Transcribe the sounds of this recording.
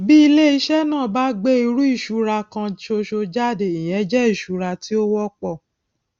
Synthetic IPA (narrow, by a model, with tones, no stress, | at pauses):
bi˦i˧le˦i˧˦ʃɛ˦nãː˦˨ba˦ɡ͡be˦i˧ɾu˦i˦˨ʃu˨˧˦ɾa˧kã˧ʃo˧ʃo˧d͡ʒa˦˨de˨i˨j̃ɛ̃˨˦d͡ʒɛ˦i˦˨ʃu˨˦ɾa˧ti˦o˦wɔ˦k͡pɔ˦˨